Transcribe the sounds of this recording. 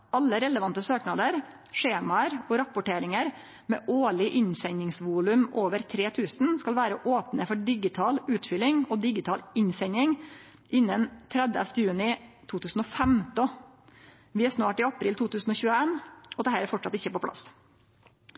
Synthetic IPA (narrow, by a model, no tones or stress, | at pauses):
ɑlːəɾɛləʋɑnt̪əsøːknɑd̪əɾ | ʂeːmɑəɾɔɾɑpʊʈeːɾɪŋəɾ | mɛ̰ːʔoːɭɪʔɪɲsɛɲɪŋsʋuːlʉmoːʋəɾt̪ʰɾeːt̪ʰʉːsnskɑlʋæːɾəʔoːpnəfɔɖɪɡɪt̪ʰɑːlʉːt̪fʏlɪŋɔd̪ɪɡɪt̪ʰɑːlɪɲsɛɲɪŋ | ʔɪnːənt̪ʰɾɛd̪ə̰ft̪əjʉːnɪt̪ʰuːt̪ʰʉːsn̩ɔfɛmd̪ɔ | ʋɪæʂnɑːʈɪːɑpɾiːlt̪uːt̪ʰʉːsn̩ɔːçʉːəeːnɔd̪ɛhæːɾæɾfɔʈʂɑt̪ɪçːəpɔpʰlɑ̰s